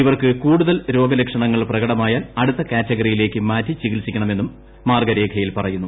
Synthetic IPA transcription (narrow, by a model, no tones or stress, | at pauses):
iʋɐrkɨkuːɽuðɐlɾo̞ːɡɐlekʂɐɳɐŋːɐɭprɐɣɐɽɐmaːjaːnɐɽut̪ːɐkaːtːɐɣɐrijile̞ːkːɨmaːtːit͡ɕikilsikʲːɐɳɐme̞nːumː | aːrɡɐɾe̞ːkʰɐjilpɐrɐjunːu